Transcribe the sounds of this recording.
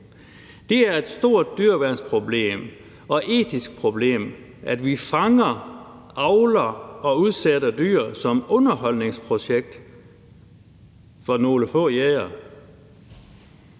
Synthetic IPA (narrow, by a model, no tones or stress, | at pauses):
d̥e̝æɐe̝d̥sd̥o̝ɐ̰d̥̚ːyɐʋæɐnspʰʁo̝b̥le̝̰ːm | ɒ̽ʔe̝̰ːdʰisɡ̥̚pʰʁo̝b̥le̝̰ːm | ʔæd̥ʋifɑ̈ŋɐ | ʔɑ̈ʊlɐɒ̽uð̞ˠsedɐd̥y̰ɐsɒ̽mɔ̽nɐɦɒ̽l̰ne̝ŋspʰʁo̝ɕeɡ̥̚d̥ | fɒ̽no̝ːləfɔ̰̽ːjeːɐ